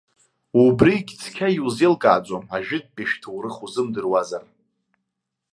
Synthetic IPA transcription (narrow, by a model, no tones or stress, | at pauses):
ubrikʲt͡sʰkʲʰajuzelkʼa̰ːt͡sʷʼomaʒᶣɪd̚pʼeʃtʰɨwrɨχuzɨmdɨrwazar